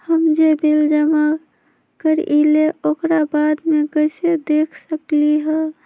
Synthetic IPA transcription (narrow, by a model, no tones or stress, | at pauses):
həmd͡ʒebild͡ʒəma | kəɾʔileʔokɾabad̪mekəsed̪ekʰsəkliɦɛ